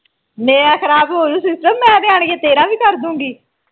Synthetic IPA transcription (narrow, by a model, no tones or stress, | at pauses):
mɛ̃ːaːxʰəɾaːbɦoːɾũːsɪsʈəmːɛ̃ːd̪ɪaːɳɡeːt̪eːɾãːʋiːkəɾd̪ũːŋɡiː